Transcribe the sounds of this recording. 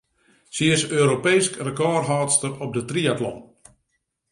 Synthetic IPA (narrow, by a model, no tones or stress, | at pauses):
siɪsøːɾopejskrəkɔːrɦaːtstərɔp̚dətriatlɔ̰n